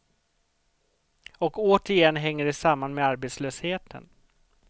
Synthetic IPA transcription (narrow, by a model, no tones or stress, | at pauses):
ɔkoːt̪əɾɪjɛnːɦɛŋːəɖɛsamːanmeaɾbeːt̪sløːsheːt̪ʰə̰n